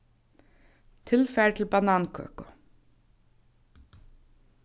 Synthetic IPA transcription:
t̪ʰɪlfæʈ̪ʰɪlbanɑːnkʰø̰ːkʊ

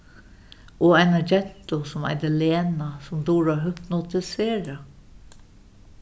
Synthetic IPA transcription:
ɔːæɪnad͡ʒɛn̥t̪ʊsʊma̰ɪd̪ɪleːnasʊmd̪uːɹaɦʏpnʊt̪ɪseːɾa

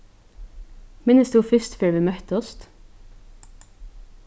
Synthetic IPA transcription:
mɪnəst̪uːfʏst̪føːɹʋiːmœt̪əɔst̪

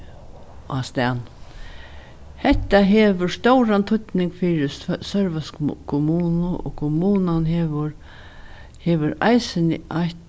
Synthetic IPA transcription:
a̰st̪an | hɛht̪ːaɦɛːʋʊɹst̪owɾant̪ʰʊt̪nɪŋkfiːɾɪsœɹʋaskʰʊmuːnʊʔɔ̰kʰʊmuːnanɦɛʋɾ | hɛːʋʊɾa̰jsɪnɪ̰ajt̪

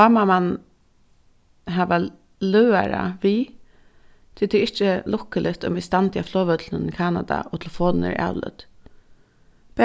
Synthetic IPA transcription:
amaman | ɦaːʋa | lœːaɾa̰ʋi | t̪ʰɪlt̪ʰɪɪht͡ʃəlʊkːəlʔɪt̪ʊ̰mɪst̪ant̪ʰɪaflɔːʋœt̪lənənɪkʰaːna̰d̪a̰ʔɔt̪ʰɪlfɔːlnɪ̰ɾa̰ːwlʏ̰t̪ | pɛ

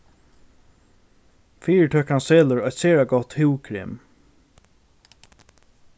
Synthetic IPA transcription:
fiːɹəʈʰœkanseːləɹɔjt̪seːɹaɡɔt̪hʉwkʰɾɪ̰m

